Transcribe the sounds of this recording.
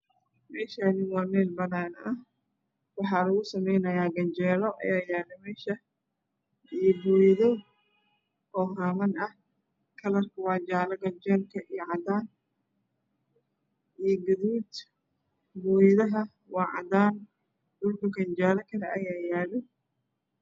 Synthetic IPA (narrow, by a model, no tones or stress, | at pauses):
mɛːʃaːnɪwɑːmɛːlbɐnaːnɐ | wɑħɑːlɐɣʊsɐmɛjnɐjaːɡɐnd͡ʒɛːɾɔʔɐ̰jaːjaːlɛmɛːʃɐ | ijɔbujðɔ | ɔːɦaːmɐnɐh | kʰɐlɐrkʰɐwɑːd͡ʒaːlɐɣɐd͡ʒɛlkʰɐʔijɔʕɑd̪aːn | ijɡɐðuːd̪ | bʊjðɐɦɐ | wɑːʕɑ̰d̪aːn | dʊlkʊɡɐnd͡ʒaːlɐkʰɐlɛʔɐjaːjaːlɛ